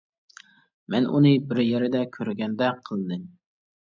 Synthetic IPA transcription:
mɛnṵnɨbɪɾjeɾɪd̪ɛkʲʰøɾɡʲɛnd̪ɛqʰəlˠd̪ɨm

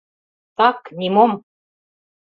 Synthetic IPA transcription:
t̪ɑknʲimom

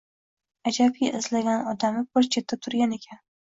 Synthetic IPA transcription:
ad͡ʒab̚ɡʲaʔɪzlaɡʲanɒd̪amɪbɪɾt͡ʃʰet̪ʰːat̪ʰʊɾɡʲane̞kʲʰan

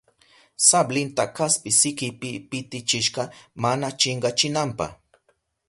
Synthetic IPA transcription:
sablɪnt̪akaspɪsɪkɪpɪpɪt̪ɪt͡ʃɪʃɢɑmanat͡ʃɪɴɢɑt͡ʃɪnampɑ̰χ

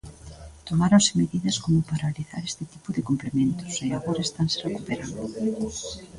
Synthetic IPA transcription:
t̪omaɾonsɪmeðiðɐskomʊpaɾaliθa̰ɾest̪ɪt̪i̥pʊðɪkomplemẽnt̪ʊ̥seaɣoɾaest̪ansɪ̥rekupeɾand̪ʊ

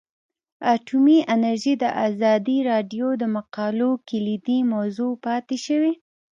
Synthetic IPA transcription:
aʈʰumiʔanaɾʒid̪əʔɑzɑd̪iɾɑɖjod̪əmaqɑlokɪlid̪imawzopɑt̪eʃəwi

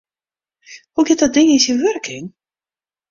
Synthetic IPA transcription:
huɡɪt̚dɔt̚dɪŋɪsjəʋɵrkʰɪŋ

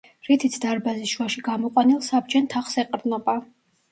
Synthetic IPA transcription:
ɾit̪ʰit̪sʰd̪aɾbazisʃwaʃiɡamɔqʼwanilˠsab̚d͡ʒɛnt̪ʰaχsɛqʼɾnɔba

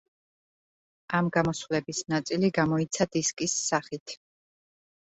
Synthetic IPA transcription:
amɡamɔsvlɛbisnat̪sʼiliɡamɔit̪sʰad̪̥iskʼisːaχit̪ʰ

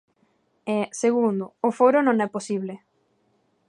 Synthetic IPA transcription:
ɛseɣund̪ʊːfoɾʊnõŋɛposiβle

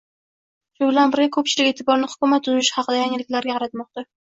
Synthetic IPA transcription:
ʃʊbɪlanbɪɾɡʲakʰɵp̚t͡ʃʰɪlɪkʲe̞ːt̪ʰɪbɒɾnɪhʊ̥kʲʊmat̪ːʊzɪɪʃɪ̥hɑqʰɨd̪ajaŋɪlɪkʲlaɾɡʲaqʰɑɾat̪mɒq̚t̪a

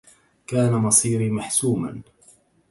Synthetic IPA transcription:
kaːnamɑsˤiːɾimaħsuːma̰n

